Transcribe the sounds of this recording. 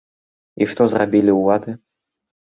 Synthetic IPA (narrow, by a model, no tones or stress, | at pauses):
iʂt̪ɔzrabʲilʲiuvad̪ɨ